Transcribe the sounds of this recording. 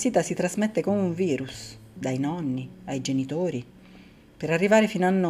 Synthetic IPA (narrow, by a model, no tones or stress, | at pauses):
siːt̪asit̪ɾazmet̪ːekomeuɱviːɾusd̪ajnɔnːiajd͡ʒenit̪oːɾi | peɾarːivaːɾefinanːo